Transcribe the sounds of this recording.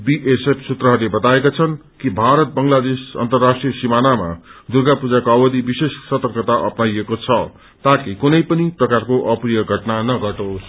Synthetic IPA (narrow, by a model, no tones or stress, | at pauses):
biʔesepʰsut̪rʌɦʌrlebʌt̪aekot͡sʰʌnkibʱaɾʌt̪̚bʌŋlad̪esʌ̰nt̪ʌrːasʈrijʌsimanama̰d̪urɡapud͡zakoʌwʌd̪ibisessʌt̪ʌkʌt̪aʔʌpnajekot͡sʰʌ | t̪akikunʌjpʌniprʌkarkoʔʌprijʌɡʱʌʈnanʌɡʌʈos